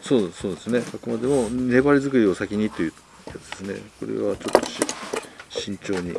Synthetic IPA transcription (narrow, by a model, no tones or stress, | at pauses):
soːsoːd̪e̞sɨne̞sokɯ̟mad̪e̞mo̞ne̞baɾʲizɨkɯ̟ɾʲio̞sakʲiɲ̟it̪o̞jɯ̟ | jat͡sɨd̪e̞sɨne̞̰ko̞̰ɾe̞̰βat͡ɕo̞t̪ːo̞̥ɕ | ɕĩɲ̟t͡ɕo̞ːɲ̟ḭ